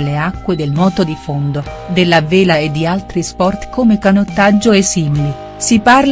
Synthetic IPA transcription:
leakːwed̪elnwɔːt̪od̪ifond̪od̪elːaveːlaed̪ːialt̪ɾispɔrt̪komekanot̪ːad͡ʒːoesːimili | siparl

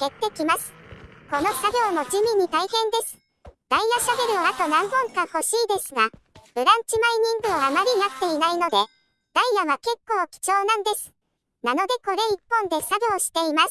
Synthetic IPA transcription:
ke̞t̪ːe̞kʲimasɨ̥ko̞no̞saɡʲo̞ːmo̞d͡ʑɨmʲiɲ̟ːit̪aihẽ̞nd̪esɨ̥ | d̪̥aijaɕabe̞ɾɯ̟oat̪o̞nãŋɡõ̞ŋkaho̞ɕiːd̪e̞sɨɡa | bɯ̟ɾãɲ̟t͡ɕimaiɲ̟ĩŋɡɯ̟oamaɾʲij̪at̪ːe̞inaino̞d̪e̞ | d̪̥aijaβake̞kːo̞ːkʲi̥t͡ɕo̞ːnãnd̪e̞sɨ̥ | nano̞d̪e̞ko̞ɾe̞ipːõ̞nd̪e̞saɡʲo̞ːɕi̥t̪e̞imasɨ̥

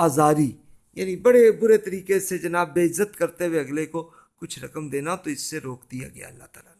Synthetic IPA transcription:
aːzaːɾi | ja̰ːnibɐɽebʊɾet̪ɐɾiːkesed͡ʒɐnaːbːeːɪzːət̪kɐɾt̪eweɐɡleko | kʊt͡ʃʰɾɐkəmd̪eːnat̪oɪsːeɾoːk̚d̪ija̰ɡɐja̰ːɐlːat̪aːlaːn

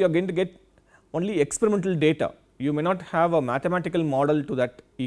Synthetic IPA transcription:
juaɡõɪ̃ɳʈuɡeʈ | õːnliekspeɾimẽɳʈəlɖeːʈa̰ | juːmeːnɔːʈhæʋəmæt̪emæʈɪkɐlmɔːɖəlʈud̪æʈi

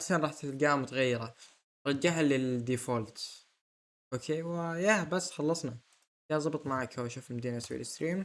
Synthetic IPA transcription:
sanɾˤɑːħt̪ɪlɡaːmʊt̪ɣajːɑɾˤɑ | ɾˤɑd͡ʒːaħalɪd̪iːfoːlt̪ | ʔoːkʰeːwɪjabasːxɑlːɑsˤnɑ | jazˤɑbɨt̪ˤmaʕakhawaʃuːfɪlmad̪iːnaswḭlɪst̪ɾiːm

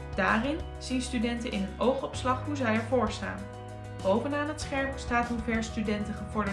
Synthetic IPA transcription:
d̥aːrɪn | z̥instydɛntənʔɪ̰nənowχɔpslɑχɦuzɛjɛɹvʊːɹsta̰ːn | b̥owvənaːnətsχɛɹmstaːtɦuvɛɹstydɛntəχəvɔɹdə

